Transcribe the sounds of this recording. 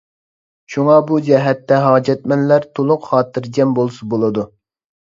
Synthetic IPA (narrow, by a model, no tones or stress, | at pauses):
ʃuŋɑbud͡ʒɛɦɛt̪ːɛɦɑːd͡ʒɛt̪̚mɛnlæɾt̪ʰolˠʊqχɑːt̪ʰɨɾd͡ʒɛmbolˠsubolˠɨd̪u